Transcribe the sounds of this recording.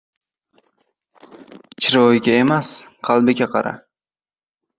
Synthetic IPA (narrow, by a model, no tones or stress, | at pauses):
t͡ʃʰɪɾojɡʲaemasqʰɑlˠbɪkʲaqʰɑɾa̰